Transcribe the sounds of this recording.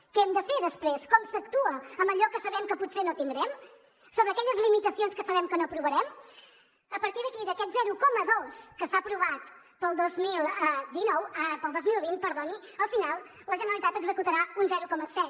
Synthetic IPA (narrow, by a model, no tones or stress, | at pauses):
kɛmd̪əfeðəspɾeskɔmsəkt̪uəːməʎɔkəsəβɛmkəput̪senot̪ind̪ɾɛm | soβɾəkɛʎəzlˠimit̪əsionskəsəβɛmkənopɾuβəɾɛm | əpəɾt̪iɾðəkiðəkɛt̪zɛɾukɔməðoskəsapɾuβat̪ | pəlˠd̪ozmilˠd̪inɔwpəlˠd̪ozmilˠβint̪̚pəɾðoniəlˠfinalˠ | ləʒənəɾəlˠit̪at̪əɡzəkut̪əɾaunzɛɾukɔməsɛt̪